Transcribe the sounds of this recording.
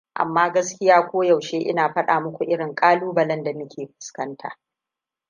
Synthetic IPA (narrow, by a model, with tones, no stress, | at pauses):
ʔa̰˨mːaː˦ɡɐ˦skʲɪ˦jaː˦kʷoː˦jɐ˨wʃeː˦ʔɪ̰˦naː˨ɸɐ˦ɗaː˨mʊ˦kʷu˨ʔɪ˦ɽɪ˨ŋkʼaː˦luː˦bɐ˨lɐ˦nda˨mɪ˦kʲeː˨ɸɪ̥˨skɐ˦ntʰa̰ː˨ʔ